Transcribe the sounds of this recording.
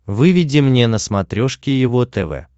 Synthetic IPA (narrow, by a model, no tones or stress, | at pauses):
vɨvʲɪdʲɪmnʲenəsmɐt̪ɾʲoʂkʲɪjɪvot̪ɛvɛ̰